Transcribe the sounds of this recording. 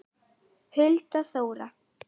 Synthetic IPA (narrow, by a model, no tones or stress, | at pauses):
hʏlt̪aθoːwɾa